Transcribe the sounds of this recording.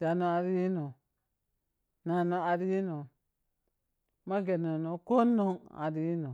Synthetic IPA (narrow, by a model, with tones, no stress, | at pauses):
da˨no˨a˨ɾi˦no˨ | na˨no˨a˨ɾi˦no˨ | ma˦ɡe˨no˨no˨ko˦nːo˦ŋa̰˨ɾi˦no˨